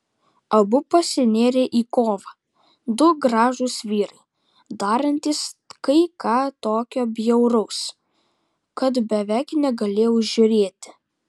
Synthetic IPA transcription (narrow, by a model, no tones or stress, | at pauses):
ɐbʊpɐsʲɪnʲeːɾʲeʔiːkoːʋɐ | d̪ʊɡɾɑːʒuːsʋʲiːɾɐɪ | d̪ɑːɾɐnʲt̪ʲiːskɐɪkɑːt̪oːkʲoːbʲjɛʊɾɐʊs | kɐt̪bʲɛʋʲæɪknʲɛɡɐlʲeːjɛʊʒʒʲʊɾʲeːt̪ʲɪ̥